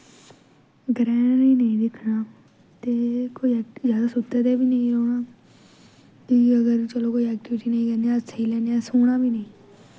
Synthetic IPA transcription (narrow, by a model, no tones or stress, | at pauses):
ɡɾɛ̃ːnnĩːnəĩːd̪ɪkʰnaː | t̪eːkoːiɛzjaːd̪aːsʊt̪ːɛːd̪ɛːbiːnəĩːɾoːɳaː | iəɡəɾt͡ʃəloːkoːiɛːk̚ʈɪʋɪʈiːnəĩːkɛ̃ːnd̪jãːsʰəiːlɛːnd̪ejaːsoːɳãːbiːnəĩː